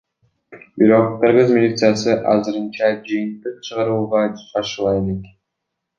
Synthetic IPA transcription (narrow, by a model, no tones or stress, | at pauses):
biɾo̞qːɨɾʁɨzmʲɪlʲit̪sɨjasɯʔɑ̰zɨɾɯnt͡ʃɑd͡ʒɯjɯnt̪ɯq̚t͡ʃʰɯʁɑɾɯlˠʁɑɑʃɯlˠɑelek